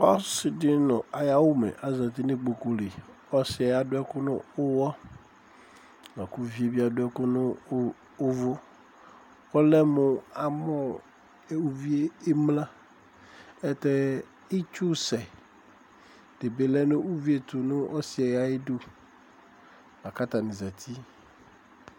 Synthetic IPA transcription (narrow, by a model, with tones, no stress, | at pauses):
ɔ˦sɪ˨dɪ˦nʊ̃˨a˨ja˦wʊ˦mɛ̰˨ʔa˨za˨t̪i˦nɪ̃˦k͡po˨ko˨li˨ | ɔ˦sɪ˨˦ɛ˨a˨dʊ˦ɛ˦kʊ˦nʊ̰̃˦ʊ˦wɔ˦ | nã˨ku˦vi˦e˦bi˦a˨dʊ˦ɛ˦kʊ˦nʊ̃˦ | ʊ˦vʊ˦ | ɔ˦lɛ˦mʊ̃˨a˨mɔ˦˨ | u˦vi˦e˦e˦mlã˦ | ɛ˦t̪ɛ˦ | i˦t͡ʃu˦sɛ˨ | d̥e˨be˨lɛ˦nʊ̃˦ʔu˦vi˦e˨t̪ʊ˨nʊ̃˦ʔɔ˦sɪ˨ɛ˨ja˦e˦dʊ˦ | a˨ka˦t̪a˨nɪ̃˨za˨t̪ʰi˦